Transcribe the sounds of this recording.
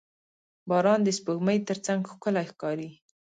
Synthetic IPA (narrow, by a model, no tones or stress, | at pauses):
bɑɾɑnd̪əspəɣməjt̪əɾt͡saŋɡxkʊlajxkɑɾi